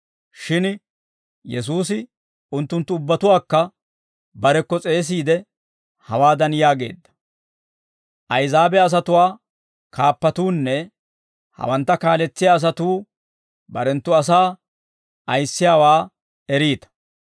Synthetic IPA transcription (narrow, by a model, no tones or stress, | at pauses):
ʃɪn | jɛs̬uːsɪ | ʊnt̪ːʊnt̪ːʊʊbːɐt̪ʊwaːkːɐ | bɐɾɛkːɔt͡sʼe̞ːs̬iːd̪ɛ | hɐwaːd̪ɐnjaːɡe̞̰ːd̪ːɐ̥ | ʔɐjzaːbɛɐs̬ɐt̪ʊwaː | kʰaːpːɐt̪uːnːɛ | hɐ̰wɐnt̪ːɐkaːlɛt͡sːɪjaːs̬ɐt̪uː | bɐɾɛnt̪ːʊɐs̬aː | ɐjsːɪjaːwaː | ɛɾiːt̪ɐ̥